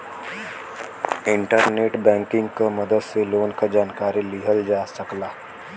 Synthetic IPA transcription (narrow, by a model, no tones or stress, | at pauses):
ɪɳʈəɾneʈbɛ̃ŋkɪŋɡkəməd̪əd̪seloːnkəd͡ʒaːnkaːɾiːliɦəld͡ʒaːsəklaː